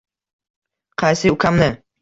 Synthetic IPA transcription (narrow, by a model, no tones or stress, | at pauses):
qʰɑjsɪʊkʲʰamnɪ